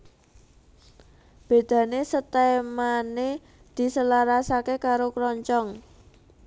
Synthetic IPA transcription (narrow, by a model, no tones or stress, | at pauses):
b̥e̤d̪̥ä̤nesət̪amane | d̪̥i̤səlaɾasakekaɾokɾɔɲt͡ʃɔŋ